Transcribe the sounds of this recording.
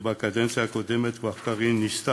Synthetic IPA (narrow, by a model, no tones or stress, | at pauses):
bakʼad̪ɛnt͡sʰakɔd̪ɛmɛt̪vaχkaʁinist̪a